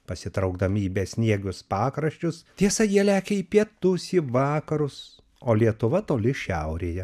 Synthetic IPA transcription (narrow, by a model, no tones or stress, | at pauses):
pɐsʲɪt̪ɾɐʊɡd̪ɐmʲiːbʲeːsʲnʲiɛɡʲʊspɑːkɾɐʃʲt͡ʃʲʊst̪ʲiɛsɐjiɛlʲæːkʲɛiːpʲiɛt̪ʊsiʋɑːkɐɾʊs | oːlʲiɛt̪ʊʋɐt̪oːlʲɪʃʲɛʊɾʲeːjɛ